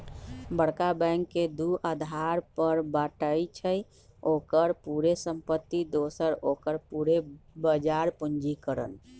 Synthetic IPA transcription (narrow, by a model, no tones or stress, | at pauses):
bəɽkabɛ̃ŋkːed̪uʔad̪ʱaɾpəɾbaʈəjt͡ʃʰəj | okəɾpuɾesəmpət̪ːid̪osəɾokəɾpuɾebəd͡ʒaɾpund͡ʒikəɾə̰n